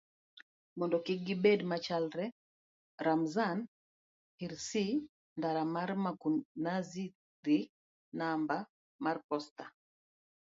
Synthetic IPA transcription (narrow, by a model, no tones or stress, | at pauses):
mɔndɔkɪɡibedmat͡ʃalɾɛ | ɾamzan | hiɾsi | ndaɾamaɾmakunazi | ɾi | namba | marpɔsta